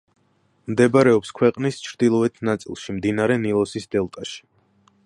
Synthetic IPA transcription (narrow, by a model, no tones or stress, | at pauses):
md̪ɛbaɾɛɔpskʰwɛqʼnist͡ʃʰɾd̪̥ilˠɔɛt̪ʰnat̪sʼḭlˠʃimd̪inaɾɛnilˠɔsisd̪ɛlˠt̪ʼaʃi̥